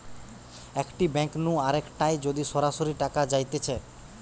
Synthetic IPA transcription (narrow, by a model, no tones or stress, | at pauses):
ekʈibɛŋknũaɾekʈajd͡ʑod̪iʃɔɾaʃoɾiʈakad͡ʑajt̪et͡ɕʰe